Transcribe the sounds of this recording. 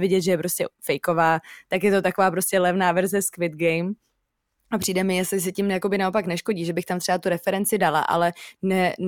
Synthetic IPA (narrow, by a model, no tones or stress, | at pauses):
vɪɟɛt̪ʒɛjɛpɾo̞scɛ̰fɛjko̞vaːt̪akjɛt̪o̞t̪ako̞vaːpɾo̞scʲɛlɛvnaːvɛɾzɛskvɪt̪̚ɡɛjm | apr̥iːdɛmɪjɛslɪs̬ɛcɪmjako̞bɪnao̞paknɛʃko̞ɟiːʒɛbɪxt̪amt̪r̥ɛvat̪uɾɛfɛɾɛnt͡sɪdala̰ʔa̰lɛnɛ